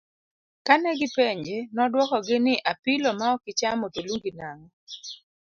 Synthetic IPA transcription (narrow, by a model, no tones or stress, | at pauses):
kanɛɡɪpeɲd͡ʒenɔdwɔkɔɡɪnɪʔapɪlɔmaɔkɪt͡ʃamotoluŋɡinaŋɔ